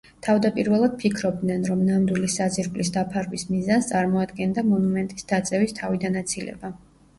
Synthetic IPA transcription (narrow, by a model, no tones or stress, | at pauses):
t̪ʰavd̪apʼiɾvɛlˠad̪̥̚pʰikʰɾɔb̚d̪nɛnɾɔmnamd̪wilisaziɾɡʼlisd̪apʰaɾvismizanst̪sʼaɾmɔad̪ɡɛnd̪amɔnumɛnt̪ʼisd̪̥at̪sʼɛvist̪ʰavid̪anat̪sʰilɛ̰ba